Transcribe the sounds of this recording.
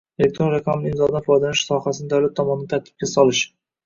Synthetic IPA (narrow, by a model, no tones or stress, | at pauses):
ele̞k̚ʲt̪ʰɾo̞nɾaqʰamɪlɪɪmzɒd̪anfɒjd̪anɪʃsɒhasɪnɪd̪awlat̪ʰːɒmɒnɪɪt̪ʰaɾt̪ʰɪ̥p̚kʲasɒlɪʃ